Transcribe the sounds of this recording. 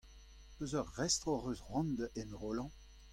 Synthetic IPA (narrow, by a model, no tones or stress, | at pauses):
pøzœʁːɛst̪ʁoʁøsʁɔ̃nd̪ɛnʁolɑ̃